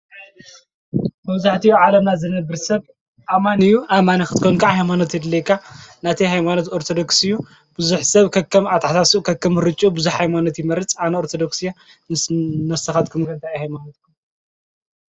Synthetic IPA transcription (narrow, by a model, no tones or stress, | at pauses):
mɐβzaħt̪ʰijoʕalɐmnazɐnɐbɨɾsɐβ | ʔamanɨjuʔamanixɨt̪ʰkʰonkʰaʕhajmanot̪jɛd̪ɨlɐjkʰːanat̪ʰiɦajmanot̪oɾt̪ʰod̪oksɨjːu | bɨzuħsɐβkʰɐkʰːɐmat̪ʰaħt̪asiukʰɐkːɐmɨɾɨt͡ʃʼubɨzuħhajmanot̪jɪmɐɾɨt͡sʼanɐoɾt̪ʰod̪oksija | nɨsnɐst̪ʰɐxat̪kʰɨmkʰɐnt̪ʰajihajmanot̪kʰum